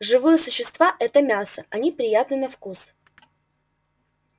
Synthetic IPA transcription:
ʐɨvɨjəsʊɕːɪst̪vaʔɛt̪əmʲasəʔɐnʲipɾʲɪjat̪nɨnɐfkus

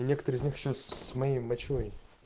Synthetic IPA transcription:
nʲe̞kə̥t̪əɾɨɪzʲnʲixɪɕːosmɐjejmɐt͡ɕoj

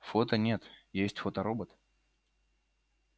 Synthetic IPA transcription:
fot̪ənʲet̪jesʲtʲfot̪əɾobət̪

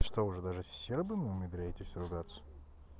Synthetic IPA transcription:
ʂt̪oʊʐɛd̪aʐɨsʲsʲerbɨnɨʊmʲɪd̪ɾʲæjɪt̪ʲɪsʲɾʊɡat̪sə̥

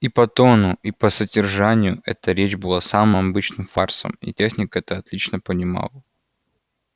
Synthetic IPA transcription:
ipɐt̪onʊipəsədʲɪrʐanʲɪjʊʔɛ̰t̪əɾʲet͡ɕbɨlˠasamɨmɐbɨt͡ɕnɨmfarsə̰mḭtʲe̞xnʲɪkəɛt̪əɐt̪lʲit͡ɕnəpənʲɪma̰lˠə

